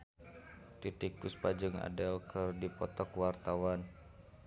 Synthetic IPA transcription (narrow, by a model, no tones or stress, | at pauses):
t̪it̪ikuspad͡ʒɨŋa̰dɛlkʰɨrdipɔt̪ɔkwart̪awan